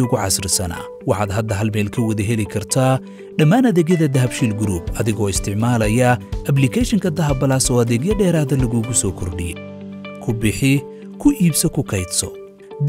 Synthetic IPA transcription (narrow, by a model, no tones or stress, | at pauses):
ʊɣʊʕɑ̰srɪsɐna̰ː | wɑħɑːd̪ɦɐd̪ːɐɦɐlmɛːlkʰɐwɐðɐɦɛlɪkʰɐrt̪ʰaː | ɖɐmaːnɐðɛːɡjɐðɐd̪ɐɦɐbʃiːlɡɾuːbɐðɪɣɔːɪst̪ʰɪʕmaːlɐjɐʔɐblɪkʰɛʃɪŋkʰɐd̪ɐɦɐbɐlaːsɔːɐðɛːɡjɐɖɛːɾaːðɐlɐɣuɣʊsɔːkʰɔrɖɪjɛ | kʰʊbɪħɪ | kʰʊʔiːbsɐkʰʊkʰɐjd̪sɔ̰ | d̪